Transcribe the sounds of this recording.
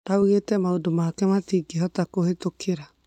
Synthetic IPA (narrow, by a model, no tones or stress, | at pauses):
nauɣetɛmaodomakɛmatiːɡeɦɔtakohetokʰeɾa